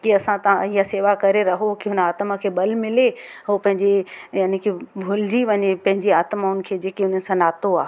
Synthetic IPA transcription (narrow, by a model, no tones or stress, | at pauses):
kiɐsãt̪ɐãiɦaseːʋakɐɾeɾɐɦokiɦʊnaːt̪məkʰeːbɐlmɪle | ɦoːpɐ̃ɦɪ̃ɲd͡ʑejaːnikʰebʱʊld͡ʑiʋɐɲepɐ̃ɦɪ̃ɲd͡ʑiaːt̪maʊn̆kʰeːd͡ʑeːkiʊn̤ənɪ̆sãnaːt̪oaː